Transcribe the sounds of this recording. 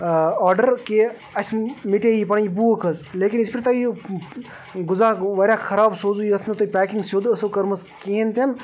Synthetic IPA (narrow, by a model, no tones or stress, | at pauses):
ɔːɾɖəɾke | ɐsʲmiʈejipɐɳibuːkʰɐzleːkinispʰiɾt̪ɐi | ɡʊzaːʋɐɾʲjakʰɐɾaːbsoːzujiɐt̪ʰnɐt̪opʲæːkiŋɡsjoːd̪ɐsɐkɐɾmɐskeːnt̪ɐn